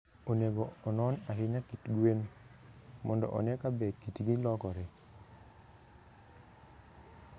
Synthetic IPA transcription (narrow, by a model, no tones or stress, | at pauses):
oneɡoːnɔnaɦɪnakitɡwen | mɔndɔ̰ʔɔ̰nɛkabɛkitɡilɔkɔɾɛ